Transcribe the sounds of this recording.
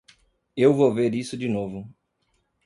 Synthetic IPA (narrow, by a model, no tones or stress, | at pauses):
ewvoveɾisʊd͡ʒinovʊ